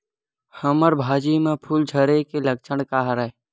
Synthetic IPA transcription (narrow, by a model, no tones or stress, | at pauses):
həməɾbʱaːd͡ʒimẽpʰuːld͡ʒʱəɾekeləkt͡ʃʰəɽkaɦɾəe